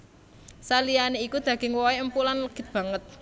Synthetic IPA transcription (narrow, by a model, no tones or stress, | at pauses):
salijaneikud̪̥ä̤ɡ̥ɪ̤ŋwɔeəmpulanləɡ̥ɪ̤t̪̚b̥ä̤ŋət̪̚